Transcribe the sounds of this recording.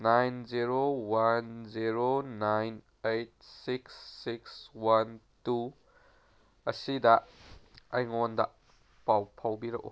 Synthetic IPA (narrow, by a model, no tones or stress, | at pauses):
najnziɾowanziɾonajn | ejt̚siksikswan | tu | ʔɐsidɐʔɐjŋɔnd̪aʔ | pawpʰɐwbiɾɐ̰ʔṵ